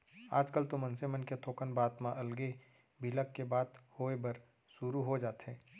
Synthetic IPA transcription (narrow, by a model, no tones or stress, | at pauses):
a̰ːd͡ʒkəlt̪omɐ̃nsemənket̪ʰoːkənbaːt̪mãʔɐlɡe | bʱiləkːebaːt̪hoːebɐɾ | suɾuɦod͡ʒaːt̪ɦɛ̃ː